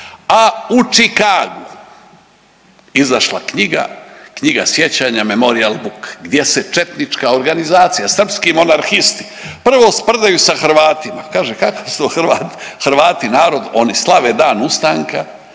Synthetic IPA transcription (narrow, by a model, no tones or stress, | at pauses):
aut͡ʃikaːɡu | izaʃla̰kɲiɡa̰kɲiɡasje̞t͡ɕaːɲamemo̞ɾialbukɡd̪je̞set͡ʃe̞t̪nit͡ʃkao̞ɾɡanizaːt̪sijasr̩pskimo̞naɾxist̪i̥ | pr̩ʋospr̩d̪ajusaxɾ̩ʋaːt̪imakaːʒekakose̥t̪oːxɾʋaːt̪i̥xɾʋaːt̪inaːɾo̞d̪o̞nislˠaʋe̞ːd̪aːnust̪aŋka